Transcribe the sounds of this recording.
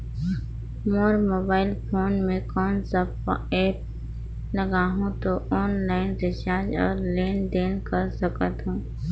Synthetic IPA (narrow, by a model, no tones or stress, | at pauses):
moːɾmoːbaːɪlpʰoːnmẽkɔːnsəbɛːp̚ | ləɡaːɦũt̪oʔɔːnlaːɪnɾɪt͡ʃaːɾd͡ʒɔ̰ːɾleːnd̪eːnkəɾsəkət̪ɦũː